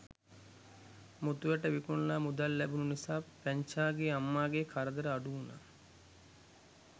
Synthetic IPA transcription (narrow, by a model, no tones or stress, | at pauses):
mut̪uʋəʈəʋikuɳlaːmud̪alːæbununisaːpæɲt͡ʃaːɡeamːaːɡekʰaɾəd̪əɾəaɖuuna̰